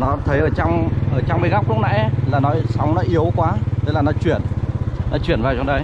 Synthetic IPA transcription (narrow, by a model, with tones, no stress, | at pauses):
nɔ˨˦t̪ʰə˨˦jʔəː˧˩t͡ɕɔ˧wŋ͡mʔəː˧˩t͡ɕɔ˧wŋ͡mmə˨˧jɣa˦˥wk͡p̚lʊ̰˧˦˥ŋ͡mna̰˧˥˦laː˨˩nɔ˨˦sa˨˦wŋ͡mnɔ˨˦ʔi˨˦əwkwaː˨˦t̪ʰe˨˦laː˨˩nɔ˨˦t͡ɕwi˧˩ənːɔ˨˦t͡ɕwi˧˩ənvaː˨˩wt͡ɕɔ˧ŋ͡mɗə˨˧j